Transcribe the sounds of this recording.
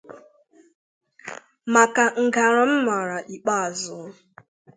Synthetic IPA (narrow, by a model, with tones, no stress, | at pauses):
ma˨ka˨ŋ̩˨ɡa˨ɾa˨m̩˦ma˨ɾa˨ʔi˨k͡pa˦a˨zʊ˨˦